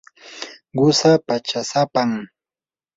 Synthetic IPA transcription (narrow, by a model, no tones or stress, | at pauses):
ɢʊsapat͡ʃasapaŋ